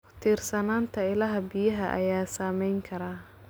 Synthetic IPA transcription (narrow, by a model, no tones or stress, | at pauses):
t̪ʰiːrsɐnaːnt̪ʰɐɪlɐɦɐbɪjɐɦɐʔɐ̰jaːsaːmɛjŋkʰɐɾaː